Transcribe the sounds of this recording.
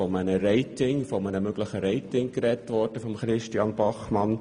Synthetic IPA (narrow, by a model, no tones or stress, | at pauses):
ɔmənəɾɛɪtɪŋfɔmənəmøɡləχəɾɛɪtɪŋkɾɛtʋɔɾd̥əfɔmχɾɪʃtjɑnbɑχmɑn